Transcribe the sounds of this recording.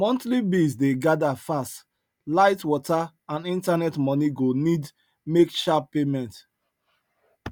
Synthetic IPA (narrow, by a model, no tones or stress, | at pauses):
mɔ̃ntlibizdeɡadafast | laɪtwɔta | ãnĩntanɛtmɔniɡonid | mekʃappemɛ̃nt